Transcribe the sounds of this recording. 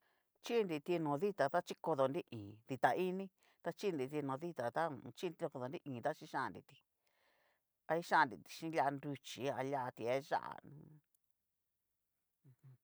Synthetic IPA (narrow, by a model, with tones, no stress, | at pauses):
t͡ʃi˦˧ndi˧t̪i˧nõ˨ði˦t̪a˨t̪a˦t͡ʃi˦ko˧ðo˨ndi˦ʔĩː˨ði˧t̪a˨i˦nĩ˦ | t̪a˧t͡ʃi˦˧nd̪i˧˨t̪i˧nõ˨ði˦t̪a˨t̪a˦˨˧t͡ʃi˦˧ko˧ðo˨ndi˦ʔĩː˨t̪a˦t͡ʃi˧˦ʃã˦˨ndḭ˧t̪i̥˧ | a˧i˦ʃã˦˨ndḭ˧t̪i̥˧ʃĩ˦la˧ndu˧t͡ʃi˨˦a˧la˦˧t̪i˧e˦ʒa̰˦ʔa̰˨nũ˦˧